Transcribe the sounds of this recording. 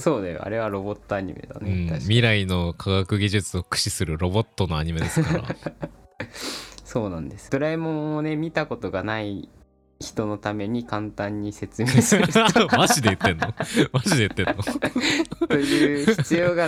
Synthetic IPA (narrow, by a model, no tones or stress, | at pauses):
so̞ːd̪ajo̰a̰ɾe̞β̞aɾo̞bo̞t̪ːo̞aɲ̟ḭme̞̰d̪a̰neɯ̃mʲiɾaino̞kʰaɡakɯ̟ɡʲiʑɨt͡sɨo̞kɯ̟̥ɕisɨɾɯ̟ɾo̞bo̞t̪ːo̞noaɲ̟ime̞dd̪eskaɾa̰ | so̞ːnãnd̪e̞sɨ̥d̥̪oɾaimõ̞ɰ̃one̞mʲit̪ako̞t̪o̞ɡanai | çi̥t̪o̞no̞t̪ame̞ɲ̟ikãnt̪ãɲ̟ːise̞t͡sɨmeːsmaʑid̪eɯ̟t̪ːẽ̞nːomaʑid̪e̞ɯt̪ːẽ̞no | t̪ojɯːçi̥t͡sɨjo̞ːɡa